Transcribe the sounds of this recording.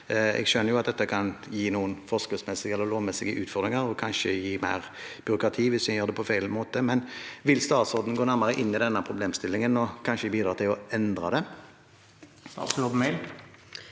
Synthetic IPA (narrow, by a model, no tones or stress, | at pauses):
ɛ̰ɡʃœnːəɾjʊɑt̪̚d̪ɛt̪ːəkʰɑnjiːnuːənfɔskəsmɛsɪɡɛlːəɾloːʋmɛsɪɡəʔʉːt̪fɔʁd̪ɾʁɪŋəɾɔkʰɑnʃəjiːmæ̰ɪʁ | b̥ʏɾʊkʁɑt̪ʰiːʋɪsæjøːʁd̪ɛpʰɔfæɪlmoːt̪əmɛnʋɪlst̪ɑːt̪sɔd̪n̩ɡoːnæɾmɑʁəʔɪnːɪd̪ɛnːəpʰʁʊbleːmst̪ɪlːɪŋənɔkʰɑnʃəɪɡbiːd̪ɾɑːt̪ʰɪlɔɛnd̪ɾɑ̰d̪ɛ | t̪ʰɑ̰ɔbmɛɪl